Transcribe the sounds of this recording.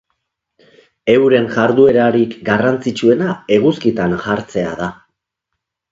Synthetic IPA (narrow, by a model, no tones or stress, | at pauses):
e̞wɾe̞nʝaɾðue̞ɾaɾikɡarant͡sit͡ʃue̞nae̞ɣ̞uskit̪anxaɾt͡se̞a̰ða